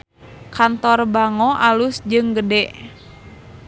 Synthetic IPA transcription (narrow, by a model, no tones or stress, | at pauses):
kant̪ɔrbaŋɔʔalusd͡ʒɨŋɡədɛʔ